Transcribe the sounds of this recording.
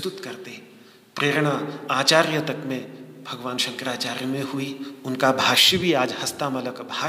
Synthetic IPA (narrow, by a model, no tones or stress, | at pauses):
t̪ʊt̪kɐɾt̪e | pɾeːɾɽ̃aaːt͡ʃaːɾjət̪ɐkmẽbʱɐɡʋaːnʃɐ̃ŋkɾaːt͡ʃaːɾjəmẽɦuiʊnkabʱaːʃəbʱiaːd͡ʒhɐst̪amɐləkbʱaː